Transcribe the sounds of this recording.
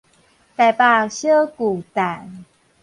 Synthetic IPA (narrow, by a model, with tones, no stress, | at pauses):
t̪a˨˧˩jpa˧ɕə˦ku˨˩t̪a˨˩˦n